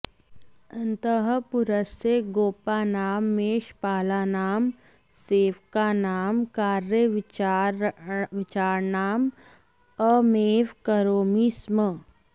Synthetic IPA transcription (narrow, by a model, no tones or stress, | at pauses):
ə̃nt̪əɦəpuɾəseɡoːpaːnaːmːeːʃpaːlaːnaːm | seːʋkanaːmkaːɾjəʋ | ʋɪt͡ʃaːɾnaːm | əmeːʋkəɾoːmismə